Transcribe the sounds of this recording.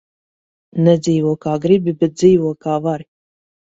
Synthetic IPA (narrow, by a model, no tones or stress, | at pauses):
nɛd̪ziːvɔkaːɡɾibibɛt̪̚d̪ziːvuɔkaːvaɾ